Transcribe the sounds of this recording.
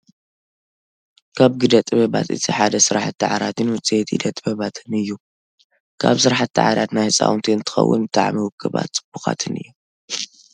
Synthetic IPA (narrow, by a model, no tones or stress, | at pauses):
kʰaβɡɨd̪ɐt̪ʼɨβɐβa̰t̪ɨ̰t̪ʰiħad̪ɐsɨɾaħat̪ːɨʕaɾat̪ʰɨnwʊt͡sʼiet̪ḭd̪ɐt̪ʼɨbɐβat̪ʰɨnɨjːu | kʰa̰βsɨɾaħat̪ːa̰ʕaɾat̪najhɨsʼa̰wʊnt̪ʰiɨnt̪ʰɨ̥xɐ̰wːʊ̰nbɨt̪ʰʼa̰ʕmiwʊkʰːɨβa̰t̪t͡sʼɨb̥ːuxa̰t̪ʰɨnɨ̰jːu